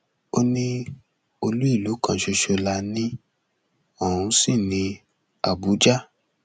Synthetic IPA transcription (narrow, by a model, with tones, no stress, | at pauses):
o˦nĩ˦ | o˧lu˦i˦˨lu˨˦kã˧˨ʃo˧ʃo˧la˧nĩ˦ | ɔ˦˨ɾũ˧si˦˨nĩ˧ | a˦˨bu˨˦d͡ʒa˦